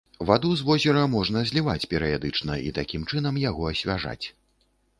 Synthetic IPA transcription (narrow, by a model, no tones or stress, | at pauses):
vad̪uzvɔzʲɛɾɐmɔʐn̪ɐzʲlʲivat͡sʲpʲɛɾɨjad̪ɨt͡ʂnɐʔḭt̪akʲimt͡ʂɨnɐmjaɣɔɐsʲvʲaʐa̰t͡sʲ